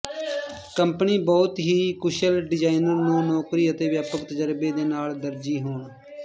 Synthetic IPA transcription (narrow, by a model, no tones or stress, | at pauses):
kəmpniːbɔːt̪ɦiːkʊʃəlɖɪd͡ʒaːɪnəɾnũːnɔːkɾiːət̪eːʋjaːpəkt̪əd͡ʒəɾbeːd̪eːnaːld̪əɾd͡ʒiːɦoːɳ